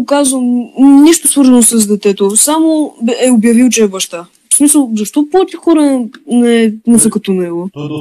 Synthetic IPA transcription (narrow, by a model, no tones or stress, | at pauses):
kazvəmniʃt̪osvɤɾzɐnosəzd̪ɛt̪ɛt̪osamoɛobjɐvilˠt͡ʃɛɛbɐʃt̪a | smisəlˠzɐʃt̪ɔpɔt̪ixɔɾənɛnɛsəkɐt̪onɛɡo